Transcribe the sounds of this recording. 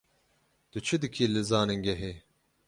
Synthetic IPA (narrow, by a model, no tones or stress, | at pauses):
d̪̥ɨt͡ʃʰɨd̪ɨkʰiːlɨzaːnɨŋɡʲɛɦe